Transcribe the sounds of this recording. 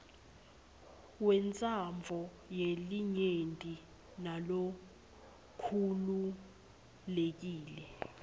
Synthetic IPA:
wɛnt͡sʼamvʱɔ | jeliɲentʼi | nalo | kʰulu | lek̬iːlɛ

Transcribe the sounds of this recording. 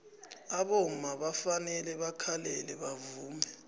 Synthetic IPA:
aɓom̩maɓafanɛlɛɓakʰalɛlɛɓavuːmɛ

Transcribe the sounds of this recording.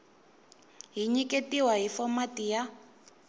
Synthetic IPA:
ɦiɲikʼetiwaɦifɔmatija

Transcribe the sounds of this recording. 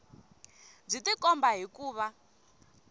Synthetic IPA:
b͡ʐitikɔmbaɦikuːβa

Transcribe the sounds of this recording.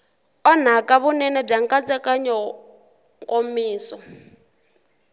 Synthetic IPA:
ɔn̤akʼaβunɛnɛb͡ʐaŋkʼat͡sʼɛkʼaɲɔ | ŋkʼomiːsɔ

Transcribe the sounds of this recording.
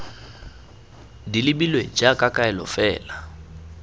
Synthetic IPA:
dilɪbilwed͡ʒakʼakʼaɛlɔ̰fɛːla

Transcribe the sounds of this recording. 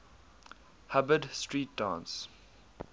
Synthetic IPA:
habədstɹiːt̚d̥ã̰ːns

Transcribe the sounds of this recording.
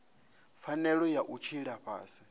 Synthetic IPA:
fanɛɺɔjaʔut͡ʃʰiɺaɸa̰ːsi

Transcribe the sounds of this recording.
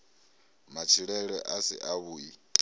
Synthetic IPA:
mat͡ʃʰiɺɛɺɛʔasḭʔaβui

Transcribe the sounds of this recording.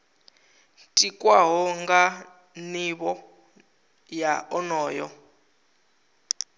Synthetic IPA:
tʼikʼwaɦɔŋɡa | niβɔ | jaɔnɔːjɔ

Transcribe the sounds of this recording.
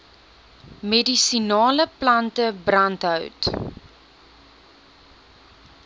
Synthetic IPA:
medisinɑːləplɐntəbrɐntɦœwt

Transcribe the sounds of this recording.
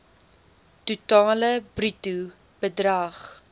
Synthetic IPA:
tutɑːləbritu | b̥ədrɐχ

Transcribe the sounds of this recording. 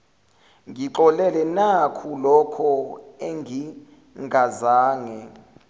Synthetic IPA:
ŋɡʱiǃɔlɛlɛnakʰulɔkʰɔeŋɡʱi | ŋɡʱazaːŋɛ

